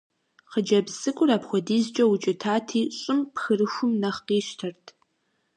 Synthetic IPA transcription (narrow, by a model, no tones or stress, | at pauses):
qəd͡ʒɐbzɨkʷʼʊɾaːpxʷɔdiːzt͡ʃʼɐwʊt͡ʃʼɪtʰaːtʰiːɕʼʊmpxɨrɨxʷʊmnɐχqiːʃtʰɐrtʰ